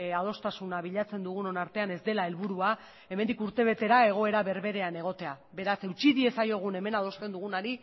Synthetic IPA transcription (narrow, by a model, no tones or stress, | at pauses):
að̞o̞st̪asunaβiʎat͡se̞nd̪uɣ̞uno̞naɾt̪e̞ane̞zd̪e̞lae̞lβuɾua | e̞mend̪ikuɾt̪e̞β̞e̞t̪e̞ɾae̞ɣ̞o̞e̞ɾaβe̞ɾβe̞ɾe̞ane̞ɣ̞o̞t̪e̞a | βe̞ɾase̞wt͡ʃiðie̞sajo̞ɣ̞une̞me̞nað̞o̞st̪e̞nd̪uɣ̞unaɾi